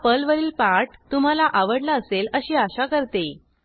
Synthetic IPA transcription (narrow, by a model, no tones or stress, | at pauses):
pəlʋəɾiːlpaʈt̪um̤alaʔaʋəɽlaəseləɕiːaɕakəɾt̪e